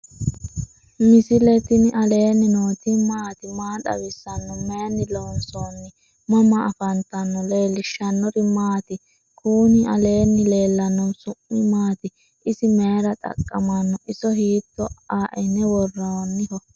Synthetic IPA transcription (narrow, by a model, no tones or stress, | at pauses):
mɪsɪlɛt̪ɪnɪʔɐle̞ːnːɪnoːt̪ɪmaːt̪ɪmaːᶑɐ̰wɪsːɐnːɔmeːnːɪloːnsɔnːɪ | mɔmɐːfɐnt̪ɐnːɔle̞ːlɪʃːɐnːɔɾɪmaːt̪ɪ | kʰuːnɪʔɐle̞ːnːɪle̞ːlːɐnːɔsʊʔɪmaːt̪ɪ | ɪsɪme̞ːɾɐt̪ʼɐ̰kʼːɐmɐnːɔʔɪsɔhiːt̪ːɔaːʔɛnɛwɔrːɐwɔnːɪhɔ